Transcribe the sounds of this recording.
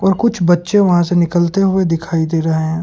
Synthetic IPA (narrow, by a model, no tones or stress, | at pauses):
ɔːɾkʊt͡ʃʰbɐtːʃẽʋɐɦãsenɪkəlt̪eɦʊed̪ɪkʰaːid̪eːɾɐɦeɦɛ̃ː